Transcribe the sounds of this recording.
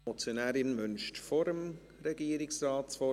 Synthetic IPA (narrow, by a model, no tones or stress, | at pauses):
ɔt͡sjonɛːɾɪnmʏnʃtfoɾəm | rɛɡiːɾɪksrɑːtsfɔ